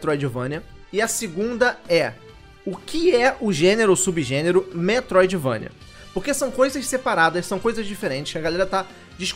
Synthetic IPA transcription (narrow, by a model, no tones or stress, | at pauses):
t̪ɾojd͡ʒivɐ̰̃nʲɐ | ɪɐsɪɡũnd̪ɐɛ | ʊkɪɛʔʊʒẽneɾʊsubiʒẽneɾʊmet̪ɾojd͡ʒivɐ̰̃niɐ̰ | poɾkesɐ̃w̃kojzɐssepaɾad̪ɐssɐ̃w̃kojzɐʒd͡ʒifeɾẽt͡ʃɪʃɐɡalɛɾɐt̪a | d͡ʒiʃk